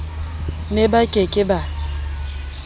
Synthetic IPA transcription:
nebakʼekʼɪba

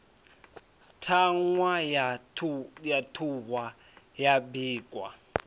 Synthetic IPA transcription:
tʰaŋwa | jatʰuwa | jabiːkʼwa̰

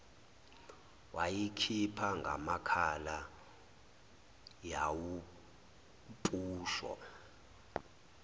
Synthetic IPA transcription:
wajikʰipʰaŋɡʱa̰makʰala | jawu | pʼuːʃɔ̰

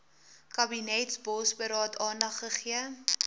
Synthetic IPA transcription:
kɐbinɛtsbɔsbəɾɑːtʰɑːnɐχːəχiə

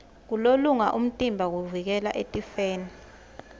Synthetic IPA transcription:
k̬uloluŋaʔum̩tʼimbʱak̬uvik̬ɛla̰ʔetʼifeːni

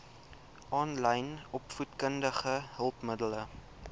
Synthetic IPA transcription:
ʔɑːnlɛjnɔpfutkəndəχəɦəlˠpmədələ

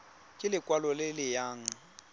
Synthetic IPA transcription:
kʼɪlɪkʼwalɔlɪlɪjaːŋ̩

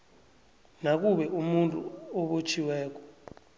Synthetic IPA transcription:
nak̬uɓɛʔumuntʼṵɔɓot͡ʃʰiwɛːk̬ɔ̥

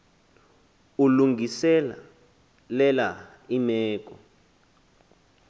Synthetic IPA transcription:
uluŋɡʱisɛla̰ | lɛla | imɛːk̬ʼɔ̰

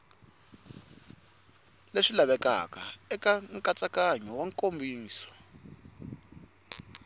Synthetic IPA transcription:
leʂilaβɛka̰kaɛkaŋkʼat͡sakaɲɔwaŋkombʱiːsɔ̥

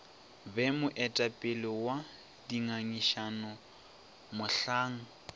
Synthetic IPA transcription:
bɛmʊʔɛtʼapʼɪlɪwa | diŋaɲiʃanɔ | mʊɬaːŋ̩

